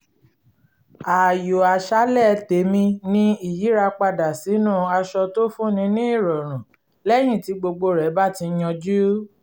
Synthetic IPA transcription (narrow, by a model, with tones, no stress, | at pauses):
a˨jo˨a˨ʃa˦lɛ˦˨˧te˨˦mĩ˧nĩ˦i˦˨ji˨˦ɾa˧k͡pa˧da˨si˨˦nũ˦˨a˧ʃɔ˧to˦fũ˦nĩ˧˦nĩ˦i˦˨ɾɔ˨ɾ̃ũ˨ | lɛ˦j̃ĩ˦˨ti˨˧˦ɡ͡bo˧ɡ͡bo˧ɾɛ˨˦ba˦˨ti˧˦j̃ɔ̃˧d͡ʒu˦